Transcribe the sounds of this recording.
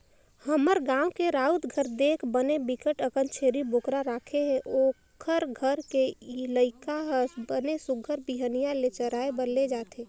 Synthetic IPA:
həməɾɡãːwkeɾaːut̪ɡʱəɾd̪eːkʰbənebɪkəʈəkənt͡ʃʰeːɾibʱokɾaɾaːkʰeɦɛ̃ʔo | kʰəɾɡʱəɾkeləɪkaɦsbənesʊɡʱəɾbiɦənijalet͡ʃəɾaːebəɾled͡ʒaːt̪e

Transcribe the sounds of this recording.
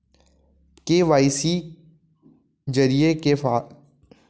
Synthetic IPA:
keʋaːɪsi | d͡ʒəɾijekefaː

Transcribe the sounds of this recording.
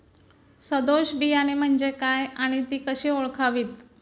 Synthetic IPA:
səd̪oɕbijañim̤əɳd͡ʑekajaɽ̃it̪iːkəɕiːoɭkʰaʋiːt̪

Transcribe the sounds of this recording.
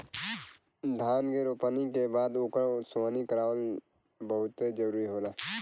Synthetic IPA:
d̪ʱaːnkeɾoːpənikebaːd̪okasaːnikəɾaːʋəl | bəɦʊt̪ed͡ʒəɾuːɾiɦoːlaː

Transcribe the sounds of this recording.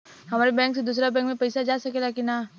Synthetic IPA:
ɦɐmaːɾebɛ̃ːŋksed̪uːs̬ɾabɛ̃ːŋkmẽpɐɪsad͡ʒaːsɐkelaːkinaː

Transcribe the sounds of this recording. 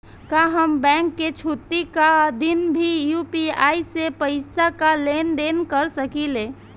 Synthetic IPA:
kaɦəmbɛ̃ŋkːet͡ʃʰut̪ːikad̪inbʱijupiaːisepəɪsakalend̪enkəɾsəkile

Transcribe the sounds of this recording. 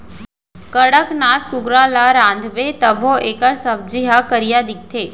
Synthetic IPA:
kəɽəknaːt̪̚kʊɡɾalaɾãːnd̪ʱʋet̪əbʱoʔeːkəɾsəb̚d͡ʒiɦakəɾijad̪ɪk̚t̪ʰeː

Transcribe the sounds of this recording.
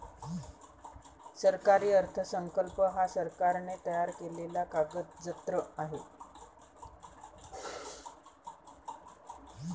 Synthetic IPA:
səɾkaɾiːəɾt̪ʰəsəŋkəlpəɦasəɾkaɾnet̪əjaɾkelelakaɡət̪̚d͡zət̪ɾəaɦe

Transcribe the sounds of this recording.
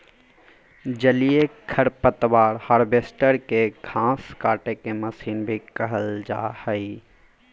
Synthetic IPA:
d͡ʒəlijekʰəɾpət̪ʋaːɾhaːɾbeːsʈəɾkeɡʰʱãːskaːʈekeməsiːnbʱikəɦəld͡ʒa̰ːhəi

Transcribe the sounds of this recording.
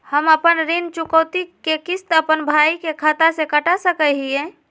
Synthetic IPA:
həməpənɾɪnt͡ʃʊkəːt̪ikekɪst̪əpənbʱaːikekʰat̪asekəʈasəkəɦiɛ̃

